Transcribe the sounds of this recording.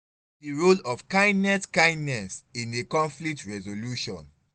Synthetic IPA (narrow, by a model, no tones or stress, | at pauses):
diɹolɔfkãɪ̃ndnɛskãɪ̃ndnɛsĩnekɔ̃ɱflik̚tɹɛzoluʃɔ̰̃n